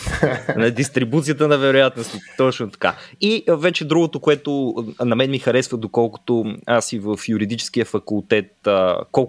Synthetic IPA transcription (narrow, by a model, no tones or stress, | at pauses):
nɐd̪ist̪ɾibut̪sijət̪ənɐvɛɾojat̪nost̪it̪ɔt͡ʃnot̪ɐ̥ka̰ivɛt͡ʃɛd̪ɾuɡot̪okoɛt̪onɐmɛnmixɐɾɛsvəd̪okɔlˠko̥t̪oasivəfjuɾid̪it͡ʃɛ̥sk̟iəfɐkulˠt̪ɛt̪əkɔlˠ